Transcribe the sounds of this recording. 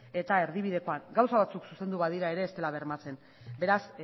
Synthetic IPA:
e̞t̪ae̞ɾðiβ̞ið̞e̞ko̞aŋɡawsaβat͡suksuse̞nd̪uβað̞iɾae̞ɾe̞ːst̪e̞laβe̞ɾmat͡se̞n | be̞ɾas

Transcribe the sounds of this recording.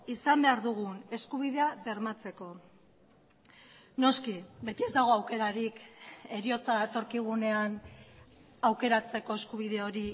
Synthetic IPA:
isambe̞aɾðuɣ̞une̞skuβ̞iðe̞aβe̞ɾmat͡se̞ko̞ | no̞skibe̞t̪ie̞zd̪aɣ̞o̞awke̞ɾaɾike̞ɾio̞t͡saðat̪o̞ɾkiɣ̞une̞an | awke̞ɾat͡se̞ko̞e̞skuβ̞iðe̞o̞ɾi

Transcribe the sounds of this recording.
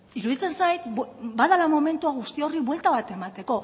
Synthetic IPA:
iɾuðit͡se̞nsajt̪baðalamo̞me̞nt̪uaɣ̞ust̪io̞riβwe̞lt̪aβ̞at̪e̞mat̪e̞ko̞

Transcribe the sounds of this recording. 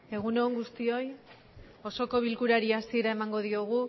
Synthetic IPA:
e̞ɣ̞uneoŋɡust̪io̞j | o̞so̞ko̞βilkuɾaɾiasie̞ɾae̞maŋɡo̞ðio̞ɣ̞u

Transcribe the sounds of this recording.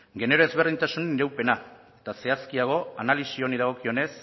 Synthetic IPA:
ɡe̞ne̞ɾo̞e̞zβe̞rðint̪asunenɾawpe̞na | et̪ase̞askiaɣ̞o̞analisio̞niðaɣ̞o̞kio̞ne̞s

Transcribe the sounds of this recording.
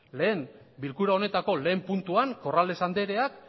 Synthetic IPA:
le̞ːm | bilkuɾao̞ne̞t̪ako̞le̞ːmpunt̪uaŋko̞rald̪e̞sand̪e̞ɾe̞ak

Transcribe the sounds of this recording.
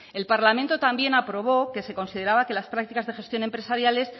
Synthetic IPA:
e̞lpaɾlamẽnt̪o̞t̪ambje̞napɾo̞β̞o̞ke̞se̞ko̞nsiðe̞ɾaβake̞laspɾak̚t̪ikazðe̞xe̞st̪jo̞ne̞mpɾe̞saɾjale̞s

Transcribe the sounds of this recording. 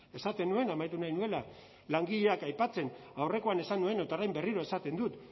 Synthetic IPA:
e̞sat̪e̞nue̞namajt̪unajnue̞la | laŋɡiʎe̞akajpat͡se̞nawre̞ko̞ane̞sanue̞not̪aɾajmbe̞riɾoe̞sat̪e̞nd̪ut̪

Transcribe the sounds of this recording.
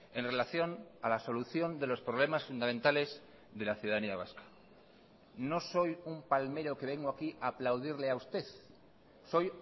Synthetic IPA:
e̞nre̞laθjo̞nalaso̞luθjo̞nd̪e̞lo̞spɾoβ̞le̞masfund̪amẽnt̪ale̞z | ðe̞laθjuðaðaniaβ̞askḁ | no̞so̞jumpalme̞ɾo̞ke̞β̞e̞ŋɡoakiʔaːplawðiɾleaust̪e̞ð | so̞j

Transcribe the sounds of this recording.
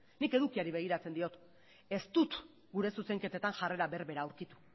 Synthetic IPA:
nike̞ðukiaɾiβe̞ɣ̞iɾat͡se̞nd̪io̞t̪ | e̞st̪ut̪ | ɡuɾe̞suse̞ŋke̞t̪et̪aŋʝare̞ɾaβe̞ɾβe̞ɾaːuwɾkit̪u̥

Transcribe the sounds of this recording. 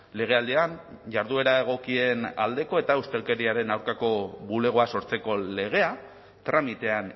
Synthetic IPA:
le̞ɣ̞e̞ald̪ean | ʝaɾðue̞ɾae̞ɣ̞o̞kie̞na̰ld̪e̞ko̞e̞t̪aust̪e̞lke̞ɾiaɾe̞nawɾkako̞βule̞ɣ̞o̞aso̞ɾt͡se̞ko̞le̞ɣ̞e̞a | t̪ɾamit̪e̞an

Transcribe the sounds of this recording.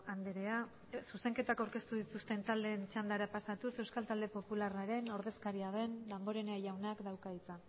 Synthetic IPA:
and̪eɾe̞a | suse̞ŋke̞t̪akawɾke̞st̪uðit̪ust̪e̞nt̪ald̪e̞ːnt͡ʃand̪aɾapasat̪use̞wskalt̪ald̪e̞po̞pularaɾe̞no̞ɾð̞e̞skaɾiaβe̞nd̪ambo̞ɾe̞neaʝawnakd̪awkait͡sa

